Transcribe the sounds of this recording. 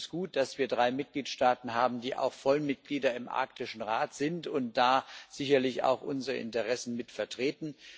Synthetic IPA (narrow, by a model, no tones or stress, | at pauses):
sɡ̥uːt̚d̥asv̥iːɐdʁaɪmɪt̚ɡ̥liːtʃtaːtn̩ɦaːbm̩diːʔa̰ʊxfɔlmɪt̚ɡ̥liːdɐɪmʔa̰ɐk̚tɪʃn̩ʁaːtz̥ɪntʊntd̥aːz̥ɪçɐlɪça̰ʊxʔʊnzəʁəʔɪ̰ntəʁɛsn̩mɪtfɛɐtʁ̥eːtn̩